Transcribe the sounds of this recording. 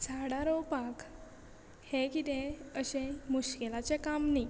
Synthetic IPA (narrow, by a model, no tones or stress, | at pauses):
t͡sʰaɽaɾɔwpak | hẽkit̪ẽəɕẽmuɕkelat͡sekamni